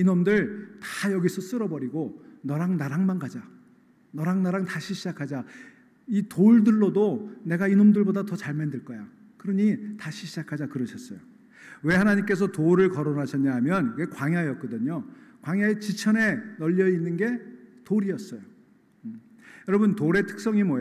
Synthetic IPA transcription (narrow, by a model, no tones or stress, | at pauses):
inomdɯɭtḁjʌɡisʰʌs͈ɯɾʌbʌɾiɡonʌɾaŋnaɾaŋmanɡad͡ʑa | nʌɾaŋnaɾaŋtaɕʰiɕʰid͡ʑakʰad͡ʑa | itoɭdɯɭːodone̞ɡainomdɯɭbodatʌt͡ɕaɭmendɯɭk͈ʌja | kɯɾʌɲitaɕʰiɕʰid͡ʑakʰad͡ʑakɯɾʌɕʰʌs͈ʌjo | we̞ɦhanaɲimk͈e̞s̬ʰʌtoɾɯɭkʌɾonɦaɕʰʌɲaɦamjʌnkekwaŋjaeʌk͈ʌdɯɲokwaŋjaet͡ɕit͡ɕʰʌne̞nʌʎːʌinːɯnɡe̞toɾiʌs͈ʌjo | jʌɾʌbɯntoɾe̞tʰɯ̥k̚s͈ʌŋimoj